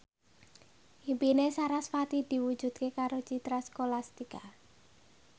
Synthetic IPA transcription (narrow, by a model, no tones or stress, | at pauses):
himpinesaɾasfat̪id̪̥i̤wud̥ʒ̥ṳd̪̥̚kekaɾot͡ʃit̪ɾaskolast̪ika